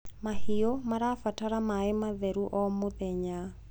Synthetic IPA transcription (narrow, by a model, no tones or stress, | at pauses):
mahiɔmaɾafataɾamaɪmaðɛɾuʔɔmoðɛɲa